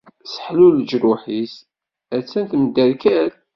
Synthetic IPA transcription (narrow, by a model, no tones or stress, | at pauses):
sə̥ħluld͡ʒɾuħis | æt͡sːænt̪md̪ːæɾkæl